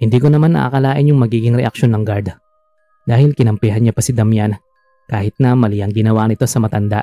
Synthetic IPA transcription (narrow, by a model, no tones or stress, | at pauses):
hɪnd̪iːko̞nɐmanːɐ̰ʔa̰ːkɐlaːʔɪnjʊŋmɐɡiːɡɪŋɾɛ̰ʔɐk̚ʃo̞nːɐŋɡaɾd̪ | d̪aːhɪlkɪnɐmpɛɦɐnɲapɐsɪd̪ɐmjanɐ | kaːhɪt̪̚nɐmɐlɪjɐŋɡɪnɐwaːʔnɪt̪o̞sɐmɐt̪ɐnd̪a̰ʔ